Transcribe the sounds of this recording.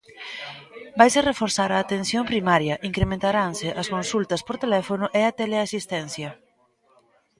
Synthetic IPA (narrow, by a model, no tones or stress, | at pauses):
bajserefoɾθaɾaːt̪en̟θjompɾimaɾjɐʔiŋkɾemẽnt̪aɾansɪʔɐskonsult̪ɐspoɾt̪elɛfonʊʔeat̪eleasist̪ɛn̟θjɐ